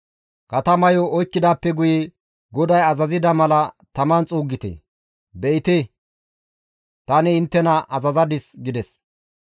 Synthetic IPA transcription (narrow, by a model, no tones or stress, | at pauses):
kɐt̪ɐmɐjɔɔjkːɪd̪aːpːɛɡʊjɛ | ɡɔd̪ɐjɐzɐzɪd̪ɐmɐlɐ | t̪ɐmɐnt͡sʼuːɡːɪt̪ḛ | bɛʔɪt̪e | t̪ɐnɪːnt̪ːɛnɐʔɐzɐzɐd̪ɪsɡɪd̪ɛs